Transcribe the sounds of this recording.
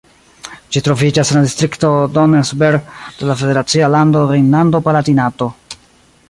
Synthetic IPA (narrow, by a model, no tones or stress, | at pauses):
d͡ʒitɾo̞vid͡ʒasenladistɾikto̞donesbeɾd̥e̞lafe̞de̞ɾat͡sialando̞ɾennando̞palatinato̞